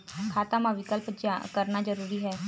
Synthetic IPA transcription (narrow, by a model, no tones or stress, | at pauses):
kʰaːt̪amãːʋɪkəlpd͡ʒa̰kəɾnaːd͡ʒəɾuːɾiːɦɛː